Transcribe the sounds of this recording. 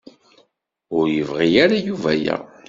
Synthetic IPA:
ʊɾjəvʁiaɾajuvæjæ̰

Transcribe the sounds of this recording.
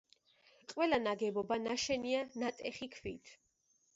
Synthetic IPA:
qʼwɛlanaɡɛbɔbanaʃɛnianat̪ʼɛχikʰvit̪ʰ

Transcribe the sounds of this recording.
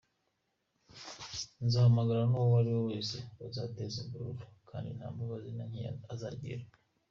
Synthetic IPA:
nzahamaɡaɾanowowaɾiwowe̞ːseazatezimbuɾuɾukʰa̰ːndin̥ha̰ːmbaβazinaɲḭaza̰ɟḭɾa

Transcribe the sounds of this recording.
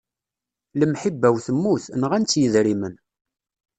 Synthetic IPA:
ləmħibːæwθəmːuθnəʁænt͡sːjəðɾimən

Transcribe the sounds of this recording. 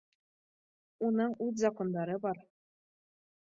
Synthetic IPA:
unɤɴʉt̪zɑkond̪ɑɾɤbɑɾ

